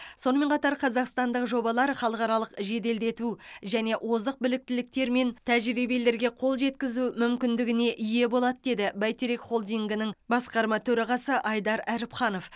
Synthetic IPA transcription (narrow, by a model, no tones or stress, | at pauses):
so̞nəme̞ɴqʰɑt̪ɑɾqʰɑzɑqst̪ɑnd̪əqʒo̞bɑlˠɑɾχɑlˠəqɑɾɑlˠəqʒe̞d̪e̞ld̪e̞t̪uʒæne̞ʔwʔo̞zəq̚bɪlɪk̚t̪ɪlɪk̚t̪e̞ɾme̞nt̪ʰæʒɾibele̞ɾɡʲe̞qʰo̞lˠʒe̞t̪kʲɪzumʏmkʲɪnd̪ɪɡʲɪne̞ʔʏje̞bo̞lˠɑd̪əd̪e̞d̪ɪbæjt̪eɾekχo̞lˠd̪iŋɡʲɪnɪŋbɑsqɑɾmɑt̪ʰɵɾɑʁɑsəʔɑjd̪ɑɾæɾɪpχɑno̞f